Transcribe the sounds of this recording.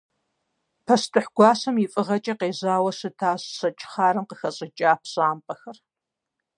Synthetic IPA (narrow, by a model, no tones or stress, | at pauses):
pʰɐstʰɨħɡ̥ʷɑːsɐmjɪfʼɨʁɐt͡ʃʼɐqeːzaːwɐsɨtʰaːɕːɐt͡ʃʼɪ̥χaːɾɨmqəxɐɕʼɪt͡ʃʼaːpʰɕʼaːmpʼɐxɐr